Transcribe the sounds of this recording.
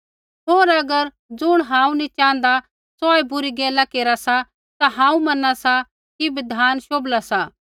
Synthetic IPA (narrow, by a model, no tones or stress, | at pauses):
ɦoːɾɐɡəɾ | d͡zʊɽ̃ɦãːũnit͡ʃãːnd̪a | sɔːebʊɾiɡɛːlakeːɾasa | t̪aɦãːũmɐnasa | kibɪd̪ʱaːnʃoːblasa